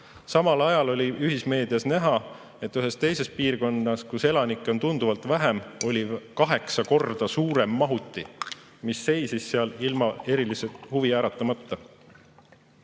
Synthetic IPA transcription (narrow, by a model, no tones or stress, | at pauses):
sɑmɑlɑjɑlo̞lʲiyɦisme̞ːd̪̥iɑsnæɦɑ | e̞t̪ːˑyɦe̞st̪e̞jse̞spiːrko̞nːɑskuse̞lɑnikˑːo̞nt̪und̪uvɑlt̪væɦemo̞lʲikɑɦe̞ksɑko̞rd̪̥ɑsuːɾe̞mːɑɦut̪ːˑi | misːe̞jsisːeɑlilmɑe̞ɾiliset̪huviæːɾɑt̪ːˑɑmɑt̪ːɑ